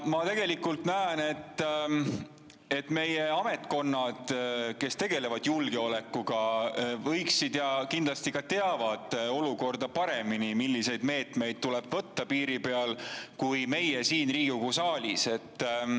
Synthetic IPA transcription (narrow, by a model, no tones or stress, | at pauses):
mɑt̪e̞ɡe̞likːˑult̪næːne̞t̪ː | e̞t̪ːme̞je̞ɑme̞t̪ˑko̞nːɑd̪̥ke̞st̪e̞ɡ̥e̞le̞vɑd̪̥julɡe̞o̞le̞kːˑuɡ̥ɑvɤ̞jksid̪̥jɑkind̪lɑst̪ikɑt̪e̞ɑvɑd̪̥o̞luko̞rd̪ɑpɑɾe̞minimilːise̞jd̪̥me̞ːt̪me̞jd̪̥̚t̪ule̞b̥vɤt̪ːɑpiːɾipe̞ɑlkujme̞jesiːnriːɡ̥ukusɑːlʲise̞t̪ː